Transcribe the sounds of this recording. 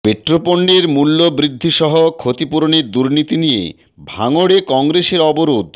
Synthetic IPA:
beʈːɾopoɳɖeɾmulːobɾid̪ʱːiʃɔɦokʰot̪ipuɾoneɾd̪uɾnit̪inijḛ | bʱaŋoɽekɔŋɾeʃeɾɔboɾod̪

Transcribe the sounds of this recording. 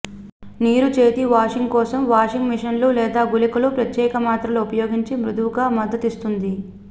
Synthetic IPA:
niːɾut͡ʃe̞ːt̪iʋaːʂiŋɡkɔːsɐmʋaːʂiŋɡmiʂɐnlulɛːd̪aːɡulikɐlupɾɐt̪jɛːkɐmaːt̪ɾɐluupɐjoːɡiɲt͡ʃimɾud̪uʋuɡaːmɐd̪ːɐt̪ist̪und̪i

